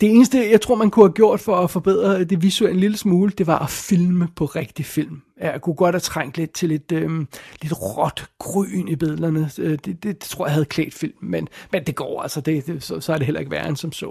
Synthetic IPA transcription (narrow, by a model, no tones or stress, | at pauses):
d̥e̝e̝ːnəsd̥əjɑ̈ɪt͡sʰʁo̝ɐ̰mænkʰuhæɡ̥jo̝ɐ̰d̥fɒ̽æfɒ̽b̥e̝ð̰ˠʁɐd̥e̝ʋisuel̰n̩liləsmuːləd̥e̝ʋɑ̈ʔæfilməpʰɒ̽ʁeɡ̥d̥ifil̰m | æjkʰuɡ̥ɒ̽d̥hæt͡sʰʁaŋ̰d̥le̝d̥̚t͡sʰe̝le̝d̥øle̝d̥ʁɒd̥ɡ̥ʁy̰ːnib̥eðˠlɐnəød̥ed̥e̝d̥e̥t͡sʰo̝ɐ̰jahæð̩ˠkʰlɛ̰ːd̥fil̰mːenmend̥e̝ɡ̥ɒ̰ːæl̰sɐd̥e̝d̥esɒ̽sɒ̽æd̥e̝ɦel̰ɐe̝ɡ̥ʋæɐnsɒ̽msɔ̰